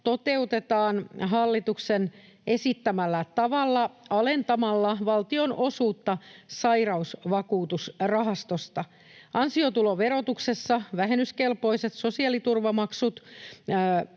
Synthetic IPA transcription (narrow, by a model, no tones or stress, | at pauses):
t̪o̞t̪e̞ut̪et̪ɑːnɦɑlːit̪uksen | e̞sit̪ːæmælːæt̪ɑʋɑlːɑɑlent̪ɑmɑlːɑʋɑlt̪ionosuːt̪ːɑsɑirɑusʋɑkuːt̪usrɑɦɑst̪ost̪ɑ | ɑnsiot̪uloʋeɾot̪uksesːɑʋæɦenyskelpo̞iset̪so̞siɑlit̪urʋɑmɑksut̪ː